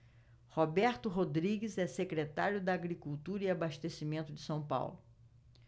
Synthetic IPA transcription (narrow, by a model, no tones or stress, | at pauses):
hobɛɾt̪ʊɦod̪ɾiɡɪzɛsekɾet̪aɾjʊd̪ɐaɡɾikuwt̪uɾɐiabaʃt̪esimẽnt̪ʊd͡ʒɪsɐ̃w̃pa̰wlʊ